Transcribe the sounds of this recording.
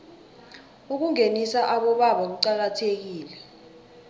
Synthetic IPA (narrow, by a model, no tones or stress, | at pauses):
uk̬uŋenisaʔaɓɔɓaɓak̬uǀak̬atʰek̬iːlɛ